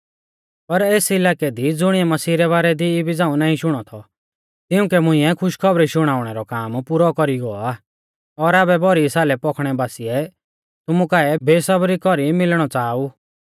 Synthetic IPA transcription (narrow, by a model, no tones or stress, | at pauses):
pɐɾeːsɪlaːkɛd̪id͡zʊɽ̃iɛmɐsiːɾɛβaːɾɛd̪iːbid͡zãːũnãːĩʃʊɽ̃ɔt̪ʰɔ | t̪ɪũkɛmʊ̃ɪ̃ɛkʰʊʃkʰɔbɾiʃʊɽ̃aːʊɽ̃ɛɾɔkaːmpuɾɔkɔɾiɡɔa | ɔɾaːbɛbɔɾisaːlɛpɔkʰɽ̃ɛbaːsiɛ | t̪ʊmũkaːɛbeːsɐbɾikɔɾimɪlɽ̃ɔt͡saːu